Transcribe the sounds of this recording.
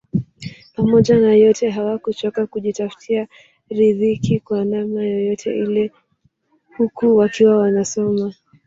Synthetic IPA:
pamɔʄanajɔtʰɛɦawakut͡ʃɔkakuʄitafu̥tʰia | ɾiðikikwanamnajɔjɔtʰɛ̰ʔilɛ | hukuwakiwawanasɔma

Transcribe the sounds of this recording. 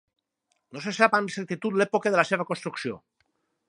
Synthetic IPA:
nosesapamisek̚t̪it̪ut̪lepokeðəlaseβ̞əkonst̪ɾuksio̰

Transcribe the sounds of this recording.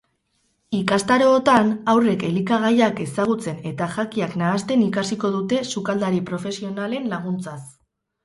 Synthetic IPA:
ikast̪aɾo̞ːt̪anawre̞ke̞likaɣ̞ajake̞saɣ̞ut͡se̞ne̞t̪aʝakiaknaːst̪e̞nikasiko̞ðut̪e̞sukald̪aɾipɾo̞fe̞sio̞nale̞nlaɣ̞unt͡sas

